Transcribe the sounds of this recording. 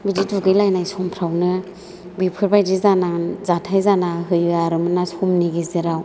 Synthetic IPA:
bididuɡɯjlajnajsɔmpʰɾawnɯ | bipʰɯɾbajdizanazatʰajzanaɦɯjɯaɾɯmɯnasɔmniɡiziɾaw

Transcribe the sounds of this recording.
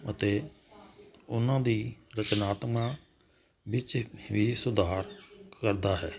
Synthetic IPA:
ət̪eː | ʊnãːd̪iːɾət͡ʃnaːt̪mãː | ʋɪt͡ʃʋiːsʊd̪aːɾkəɾd̪aːɦɛː

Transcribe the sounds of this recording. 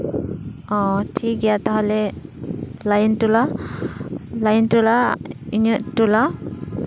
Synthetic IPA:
ɔtʰik̚ɡijat̪aɦalɛ | lajntula | lajntulaiɲɯʔtula

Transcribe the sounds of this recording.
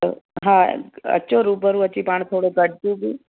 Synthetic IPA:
ɦãə̰ɕoɾuːbəɾũət͡ɕːipaɳt̪ʰoːɽoɡəɽt̪ũbiː

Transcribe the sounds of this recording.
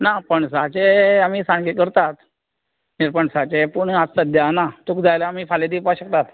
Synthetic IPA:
napəɳsat͡ɕeamiːsãɳɡekəɾt̪at̪ | niɾpəɳsat͡ɕepuɳast̪əd̪janat̪ukd͡zajlaːmiːfaled̪ipaɕək̚t̪at̪

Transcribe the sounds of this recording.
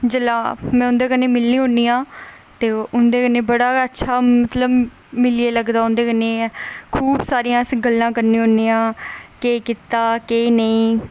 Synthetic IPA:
d͡ʒəlaːmɛ̃ːʊnd̪eːkəneːmɪlniːɦõːniːãː | t̪eːʊnd̪eːkənːeːbəɽaːətːʃʰaːmət̪ləb | mɪlieːləɡd̪aːʊnd̪eːkənːeːkʰuːbsaːɾijãːsɡəlːãːkəɾnĩːɦõːniːãːkeːkit̪aːkeːnəĩː

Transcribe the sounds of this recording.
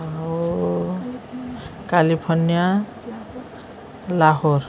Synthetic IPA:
a | kalipʰɔnija | laɦoɹ

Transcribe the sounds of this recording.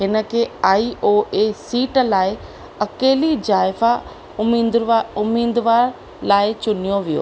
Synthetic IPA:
ɦɪnə̆kʰeːaːiʔoːʔesiːʈlaːɪ | ɐkeːlid͡ʑaːɪfa | ʊmiʊmiːd̪ʋaːɾ | laːɪt͡ɕʊnijoʋijo̰ː

